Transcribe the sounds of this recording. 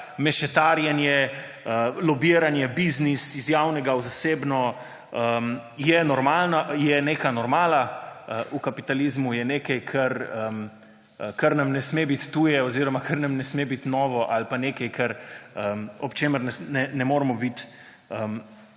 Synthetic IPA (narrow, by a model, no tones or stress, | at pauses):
mɛʃɛt̪aːɾjɛnjɛ | əlɔbiːɾanjɛbiznisizjawnɛɡawzaseːbnɔ | əmjɛnɔɾmaːlnajɛneːkanɔɾmaːlaəʔukapit̪alizmujɛneːkɛjkʰɐɾəm | kɐɾnamnɛsmebit̪ːujɛɔziɾɔmakʰəɾnamnɛsmebit̪nɔːʋɔʔalpaneːkɐjkʰɐɾəmɔpt͡ʃeːməɾnɛnɛnɛmoːɾmɔbit̪ | əm